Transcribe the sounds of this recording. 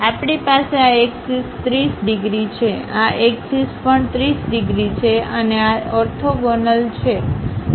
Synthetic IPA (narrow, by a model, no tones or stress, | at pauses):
apɳipaseaeksist̪ɾisɖiɡɾit͡ʃʰea̰ʔeksispəɳt̪ɾisɖiɡɾit͡ʃʰeəneaɔɾt̪ʰoɡɔnəlt͡ʃʰe